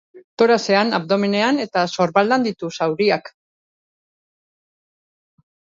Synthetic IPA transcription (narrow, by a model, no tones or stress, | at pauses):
t̪o̞ɾase̞anaβ̚d̪o̞mine̞ane̞t̪aso̞ɾβald̪and̪it̪usawɾiak